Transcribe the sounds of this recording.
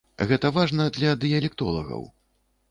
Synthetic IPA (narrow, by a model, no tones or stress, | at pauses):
ɣɛt̪ɐvaʐnɐd̪lʲɐd̪ɨjɐlʲɛk̚t̪ɔlˠɐ̰ɣɐ̰w